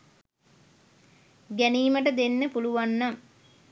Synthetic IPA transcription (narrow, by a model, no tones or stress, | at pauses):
ɡæniːməʈəd̪enːəpuluʋanːaŋ